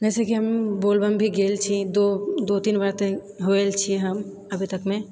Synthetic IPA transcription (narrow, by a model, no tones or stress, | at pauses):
d͡ʒɛːsekiɦɐmboːlbəmbʱiɡeːlt͡ʃʰid̪od̪ot̪iːnʋaɾt̪ẽ | ɦoelt͡ʃʰieɦɐm | ɐbʱit̪ɐkmẽ